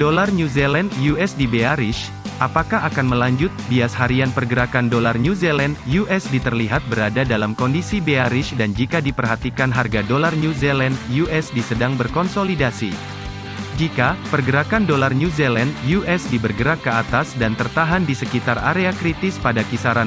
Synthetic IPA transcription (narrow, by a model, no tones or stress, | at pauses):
dolarnuzelandjuɛsdibeaɾɪʃ | ʔapakaɦakanməlaɲd͡ʒʊt̪̚biashaɾianpərɡəɾakandolarɲuzelandjuʔɛsdit̪ərliɦat̪̚bəɾadadalamkɔndisibeaɾɪʃdand͡ʒikadipərɦat̪ikanɦarɡadolarnuzelandjuʔɛsdisədaŋbərkɔnsolidasi | d͡ʒikapərɡəɾakandolarnuzelandjuʔɛsdibərɡəɾakːəat̪asdant̪ərt̪aɦandisəkit̪ara̰ɾeakɾit̪ɪspadakisaɾan